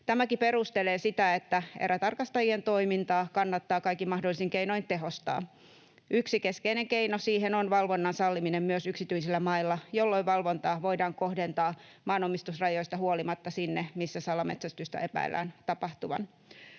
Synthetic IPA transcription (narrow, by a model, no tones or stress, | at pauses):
t̪æmækiperust̪eleːsit̪æet̪ːæḛræt̪ɑrkɑst̪ɑjient̪oimint̪ɑːkɑnːɑt̪ːɑːkɑikːimɑhdolːisiŋkeinoint̪eɦo̞st̪ɑ̰ː | ʔyksikeskeineŋkeinosiːɦenonʋɑlʋo̞nːɑnsɑlːiminemmyøsyksit̪yisilːæmɑilːɑjolːoiʋɑlʋont̪ɑːʋo̞idɑːŋkohdent̪ɑː | mɑːnomːist̪usrɑjo̞ist̪ɑhuolimɑt̪ːɑsinːemisːæsɑlɑmḛt̪sæst̪yist̪æ̰epæ̰ḭlʔæ̰ːnt̪ɑpɑht̪uʋɑ̰n